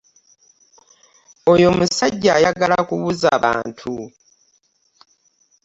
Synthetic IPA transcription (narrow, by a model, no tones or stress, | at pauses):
o̞jo̞musaɟːaːjaɡalakuβuzaːβa̰ːntʰu